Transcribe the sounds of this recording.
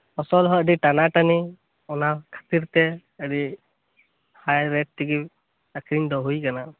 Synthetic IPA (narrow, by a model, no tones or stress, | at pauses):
ɔsɔlɦɔəɖiʈanaʈani | ɔnakʰḁt̪iɾt̪ɛ | əɖi | hajɾɛʈ̚tːiɡi | əkɾindɔɦujkana